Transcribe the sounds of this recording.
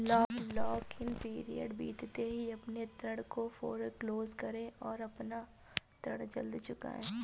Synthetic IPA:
lɔːklɔːkɪnpiːɾḭjə̰ɖbḭːt̪t̪eɦiɐpnet̪ɾəɽkofoːɾkloːzkɐɾẽɔːɾɐpna | t̪ɾəɽd͡ʒɐ̰ld̪t͡ʃʊka̰ːẽː

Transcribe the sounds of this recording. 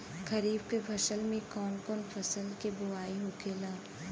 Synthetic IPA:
kʰɐɾiːbkebʱɐʃəlmẽkɔːnkɔːnfɐsəlkebʊaːiɦokʰeːlaː

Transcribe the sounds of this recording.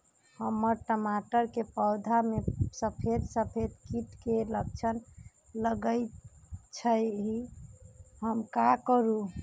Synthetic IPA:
həmːəɾʈəmaʈəɾkepəwd̪ʱamesəpʰed̪səpʰed̪kiʈkelək̚t͡ʃʰən | ləɡəɪt͡ʃʰəɦi | həmkakəɾu

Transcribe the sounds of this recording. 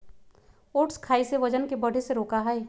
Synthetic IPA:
oːʈskʰaːiseʋɐd͡ʒənkebɐɽ̤ʱeseɾoːkaɦɛe

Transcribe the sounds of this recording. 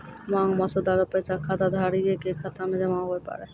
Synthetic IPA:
maŋmɔsod̪aɾopesakʰad̪ad̪ʱaɾiekekʰat̪ʰamedemaɦbepa̰ɾe

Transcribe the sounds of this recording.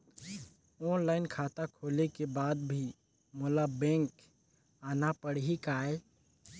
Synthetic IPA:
ɔːnlaːɪnkʰaːt̪akʰoːlekebaːd̪bʱi | molabɛ̃ŋk | aːnapəɽ̤ɦikaːe

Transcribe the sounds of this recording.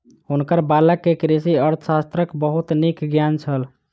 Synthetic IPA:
ɦunkəɾbaləkːekɾisiəɾt̪ʰəsast̪ɾəkbəɦut̪nikɡjant͡ʃʰəl

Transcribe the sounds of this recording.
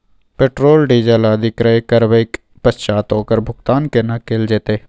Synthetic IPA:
peːʈɾoːlɖiːd͡ʒəlaːd̪ʱɪkɾəekəɾʋeɪk | pəst͡ʃaːt̪oːkəɾbʱʊkt̪aːnkenakeːld͡ʒeːt̪eː

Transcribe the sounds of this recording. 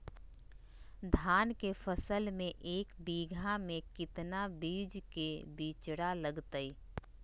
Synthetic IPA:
d̪ʱaːnkefʰəsəlmẽʔeːkbiːɡʱamẽkɪt̪nabiːd͡ʒkebiːt͡ʃɽaləɡt̪əi

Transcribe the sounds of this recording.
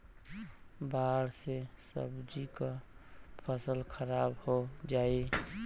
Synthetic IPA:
baɽsesə̰bd͡ʒikəpʰəsəlkʰəɾabhod͡ʒai

